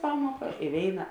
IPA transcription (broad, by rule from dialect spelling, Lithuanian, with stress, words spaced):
ˈpɑːmuɔkɐ ɪ ˈʋʲeːɪnɐ